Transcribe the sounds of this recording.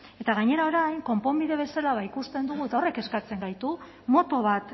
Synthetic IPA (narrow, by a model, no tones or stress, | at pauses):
e̞t̪aɣaɲe̞ɾao̞ɾajŋko̞mpo̞mbiðe̞β̞e̞salaβaikust̪e̞nd̪uɣ̞ue̞t̪aore̞ke̞skat͡se̞ŋɡajt̪u | mo̞t̪o̞βat̪